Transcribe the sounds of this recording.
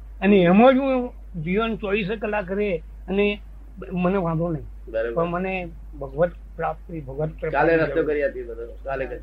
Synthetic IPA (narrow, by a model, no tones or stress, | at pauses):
əneəmaɾjũː | d͡ʒiʋənt͡ʃoɭis̬kəlakɾe | əne | məneʋãd̪õnəɦĩ | bəɾbpəɳməne | bʱəɡʋət̪ | pɾap̚t̪ɾibʱəɡʋət̪pɾakaleɾəjokəɾiat̪ibəd̪okalekəɾ